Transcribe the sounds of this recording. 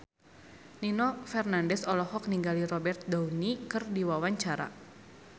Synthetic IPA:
ninɔfɛrnandɛsɔlɔhɔk̚niŋɡaliɾɔbɛrt̪̚daunikɨrdiwawaɲt͡ʃaɾa̰

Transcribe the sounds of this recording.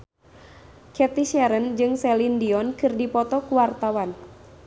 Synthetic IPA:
kɛt̪iʃɛɾənd͡ʒɨŋsɛlindiɔnkɨrdipɔt̪ɔkuwart̪awan

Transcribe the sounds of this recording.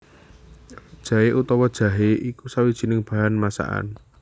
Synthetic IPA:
d̥ʒ̥ä̤ɦeʔut̪ɔwɔd̥ʒ̥a̤ɦeʔikusawid̥ʒ̥i̤nɪŋb̥a̤ɦanmasa̰ʔa̰n

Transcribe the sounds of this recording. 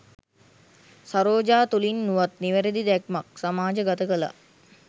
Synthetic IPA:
saɾoːd͡ʒaːt̪ulinːuʋat̪niʋəɾed̪id̪ɛkmak̚samaːd͡ʒəɡat̪əkəla̰

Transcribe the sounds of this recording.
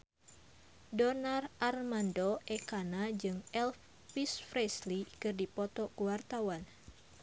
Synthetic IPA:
donarʔarmandoʔɛkanad͡ʒɨŋɛl | pisfɾɛslikɨrdipɔt̪ɔkuwart̪awan

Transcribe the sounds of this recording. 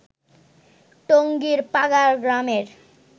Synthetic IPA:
ʈoŋɡiɾpaɡaɾɡɾameɾ

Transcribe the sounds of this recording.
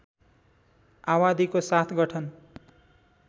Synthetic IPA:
awad̪ikosat̪ʰɡʌʈʰʌn

